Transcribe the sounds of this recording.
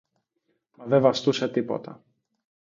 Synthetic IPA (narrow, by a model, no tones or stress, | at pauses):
mɐðevɐst̪use̞t̪ipo̰t̪ɐ